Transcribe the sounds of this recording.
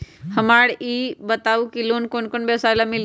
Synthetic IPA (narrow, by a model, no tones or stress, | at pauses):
həmaːɽiːbət̪aːukiloːnkonkonbesaːɪlamɪl